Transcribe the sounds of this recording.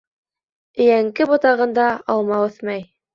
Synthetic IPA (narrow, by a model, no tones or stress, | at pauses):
ɘ̆jæŋkɘbŏt̪ɑʁɤ̆nd̪ɑɑlˠmɑwɵθmɑj